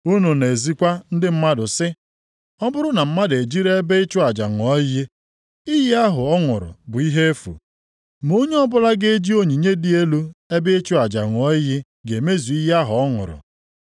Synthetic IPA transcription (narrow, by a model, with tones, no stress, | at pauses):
u˦nu˨ne˨e˨zi˦kʷa˦n̩˦dɪ˦m̩˦ma˦dʊ˨sɪ˦ | ɔ˦bʊ˦ɾʊ˦na˨m̩˦ma˦de˨d͡ʒi˦ɾe˦e˦be˦ɪ˦t͡ʃʊ˦a˨d͡ʒa̰˨ŋʷ˨ɔ˦je˦ | i˦je˦a˦ɦʊ˨ɔ˦ŋʊ˨ɾʊ̰˨bʊ˨i˦ɦe˦e˦fṵ˨ | mo˦ɲe˦ɔ˦bʊ˦la˦ɡe˦d͡ʒi˦o˦ɲi˨ɲe˦di˦e˦lu˦e˦bɪ˦ɪ˦t͡ʃʊ˦a˨d͡ʒa̰˨ŋʷ˨ɔ˦je˦ | ɡe˨me˦zu˨i˦je˦a˦ɦʊ˨ɔ˦ŋʊ̰˨ɾʊ̰˨